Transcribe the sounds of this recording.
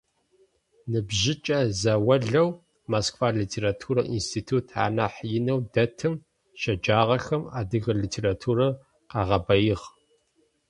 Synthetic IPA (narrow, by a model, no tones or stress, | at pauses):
nɨbʒɪt͡ʃʼɐzɐwɐɮɐw | maskfaːɮiːtʰeːɾatʰuːɾɐ̰ʔḭnstʰiːtʰuːtʰa̰ːnaħjɪnɐwdɐtʰɨm | ʃɐd͡ʒaːʁɐxɐma̰ːdɨɣɐliːtʰeːɾatʰuːɾɐ | qɑːʁɐbɐjɪʁ